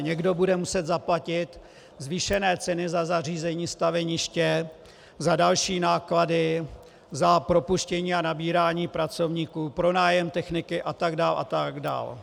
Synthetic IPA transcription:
ɲɛɡdo̞budɛmusɛt̪zaplacɪt̪ | zviʃɛnɛːt͡sɛnɪzazariːzɛɲiːst̪avɛɲɪʃcɛ | zadalʃiːnaːkladɪ | zapɾo̞puʃcɛɲiːanabiːɾaːɲiːpɾat͡so̞vɲiːkuːpɾo̞naːjɛmt̪ɛxnɪkɪʔat̪aɡdaːlʔa̰t̪aɡda̰ːl

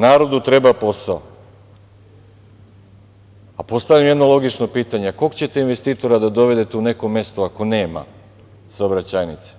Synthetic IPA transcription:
naːɾo̞d̪ut̪ɾe̞bapo̞sao | apo̞st̪avlʎamjd̪no̞lˠo̞ɡit͡ʃno̞piːt̪aɲeakokt͡ɕe̞t̪einʋe̞st̪iːt̪o̞ɾad̪ad̪o̞ʋe̞d̪e̞t̪eune̞ko̞me̞st̪oako̞ne̞ːma̰ | saobɾat͡ɕaːjnit̪se̥

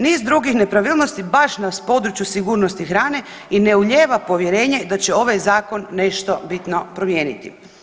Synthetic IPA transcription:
niːzd̪ɾuɡixne̞pɾaʋiːlno̞st̪ibaʃnaspo̞d̪ɾut͡ɕjusiɡuːɾnost̪ixɾaːne̞ | ine̞uʎeːʋapo̞ʋjeɾe̞ːɲe̞d̪at͡ɕɛo̞ʋajzaːkonːe̞ʃt̪obit̪no̞pɾomjeːnit̪ḭ

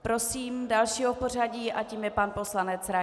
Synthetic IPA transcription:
pɾo̞siːmdalʃiːɦopor̝aɟiːʔaciːmjɛpanpo̞slanɛt͡sɾa

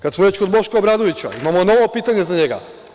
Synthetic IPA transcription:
kat̪smuɾet͡ʃkod̪bo̞ʃkoːbɾad̪oʋit͡ɕa̰imamono̞ʋopiːt̪aɲe̞zaɲe̞ɡa̰

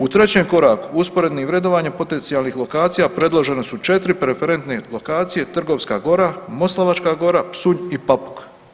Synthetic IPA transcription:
ut̪ɾe̞t͡ɕeːmko̞ɾaːkuuspo̞ɾe̞d̪niʋɾe̞d̪oʋaːɲepo̞t̪e̞nt̪ijalˠnixlo̞kaːt̪sijapɾe̞d̪lˠo̞ʒe̞nesut͡ʃe̞t̪ɾipɾefe̞ɾe̞nt̪nelˠo̞kaːt̪sije̞t̪r̩ɡo̞ʋska̰ːɡo̞ɾamo̞slˠaʋat͡ʃkaːɡo̞ɾapsuɲipapu̥k

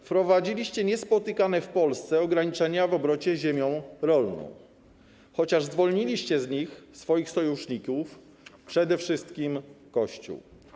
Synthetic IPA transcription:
fpɾɔvad͡ʑilʲiɕt͡ɕɛɲɛspɔt̪ɘkanɛfpɔlst̪sɛɔɡɾaɲit͡ʂɛɲavɔbɾɔt͡ɕɛʑemʲjɔ̃w̃ɾɔlnɔ̰̃w̃ | xɔt͡ɕaʐzvɔlɲilʲiɕt͡ɕɛzɲixsfɔjixsɔjuʂɲikuf | pʂɛd̪ɛfʂɘst̪kʲimkɔɕt͡ɕṵw

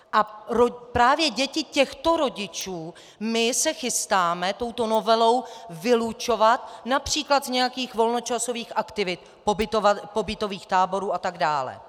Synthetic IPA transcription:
ʔaɾopɾaːvjɛɟɛcɪcɛxt̪o̞ɾo̞ɟɪt͡ʃuː | mɪsɛxɪst̪aːmɛt̪o̞wt̪o̞no̞vɛlo̞wvɪlut͡ʃo̞vat̪napr̝̥iːklat̪zɲɛjakiːxvo̞lno̞t͡ʃaso̞viːxʔakt̪ɪvɪt̪̚ | po̞bɪt̪ovapo̞bɪt̪o̞viːxt̪aːbo̞ɾuːat̪aɡda̰ːlɛ̰

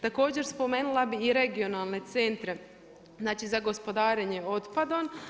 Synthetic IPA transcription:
t̪ako̞ːd͡ʑe̞ɾspo̞me̞ːnulˠabiːɾe̞ɡio̞nalˠne̞t̪se̞nt̪ɾe̞ | znaːt͡ʃizaɡo̞spo̞d̪aːɾeɲeo̞t̪pad̪o̞n

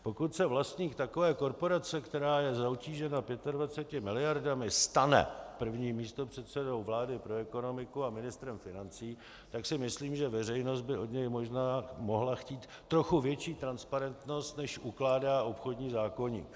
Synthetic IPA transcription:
po̞kut̪sɛvlast̪ɲiːkt̪ako̞vɛːko̞ɾpo̞ɾat͡sɛkt̪ɛɾaːjɛzawciːʒɛnapjɛt̪advat͡sɛcɪmɪlɪjaɾdamɪst̪anɛ̰pr̩vɲiːmiːst̪opr̝̥ɛt̪sɛdo̞wvlaːdɪpɾo̞ɛko̞no̞mɪkuamɪnɪst̪ɾɛmfɪnant͡siː | t̪aksɪmɪsliːmʒɛvɛrɛjno̞sd̪̚bɪo̞dɲɛjmo̞ʒnaːmo̞ɦlaxciːt̪ːɾo̞xuvjɛt͡ʃiːt̪ɾanspaɾɛnt̪no̞st̪nɛʃʔuklaːdaːʔo̞pxo̞dɲiːzaːko̞ɲḭːk

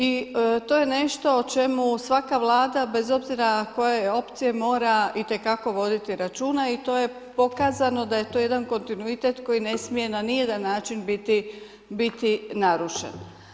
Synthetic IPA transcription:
it̪o̞ːje̞ne̞ʃt̪o̞ːt͡ʃe̞musʋakaʋlˠaːd̪abe̞zo̞bziɾako̞jeo̞pt̪sije̞mo̞ːɾait̪e̞kako̞ʋo̞d̪it̪iɾat͡ʃuːnait̪o̞ːje̞ | po̞kaːzano̞d̪aje̞t̪o̞je̞d̪anko̞nt̪inuit̪e̞t̪ko̞jine̞smije̞nanijed̪anːaːt͡ʃinbit̪i | bit̪inaɾuʃḛn

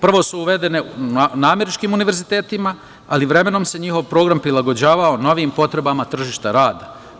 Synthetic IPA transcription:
pr̩ʋo̞suuʋe̞d̪e̞ne̞naːme̞ɾit͡ʃkiːmuniʋe̞ɾzit̪e̞ːt̪ima | aliʋɾe̞me̞no̞mse̞ɲixo̞ʋpɾo̞ːɡɾampɾilaɡo̞d͡ʑaːʋaono̞ʋiːmpo̞t̪ɾe̞bamat̪r̩ʒiːʃt̪aɾaːd̪a

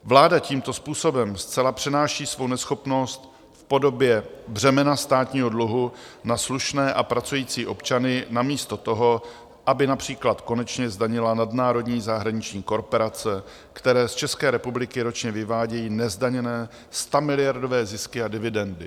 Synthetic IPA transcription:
vlaːdaciːmt̪o̞spuːso̞bɛmst͡sɛlapr̝̥ɛnaːʃiːsvo̞wnɛsxo̞pno̞st̪ | fpo̞do̞bjɛbr̝ɛmɛnast̪aːt̪ɲiːɦo̞dluɦunasluʃnɛːʔapɾat͡sujiːt͡siːʔo̞pt͡ʃanɪnamiːst̪o̞t̪o̞ɦo̞ | ʔabɪnapr̝̥iːklat̪ko̞nɛt͡ʃɲɛzdaɲɪlanadnaːɾo̞dɲiːzaɦɾaɲɪt͡ʃɲiːko̞ɾpoɾat͡sɛ | kt̪ɛɾɛːst͡ʃɛskɛːɾɛpublɪkɪɾo̞t͡ʃɲɛvɪvaːɟɛjiːnɛzdaɲɛnɛː | st̪amɪlɪjaɾdo̞vɛːzɪskɪadɪvɪdɛndɪ

